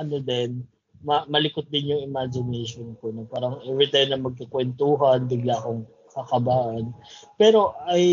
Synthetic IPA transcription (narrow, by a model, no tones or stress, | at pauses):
ʔɐnod̪ɛn | mɐmɐlɪkʊt̪̚d̪ɪnjʊŋɪmad͡ʒɪnɛjʃonkonɐpaːɾɐŋʔɛvɾɪt̪ajmnɐŋmɐɡ̚kɐkwɛnt̪uːɦɐnbɪɡlaːkoŋ | kɐkɐbaːʔɐnpɛːɾo̞ʔɐj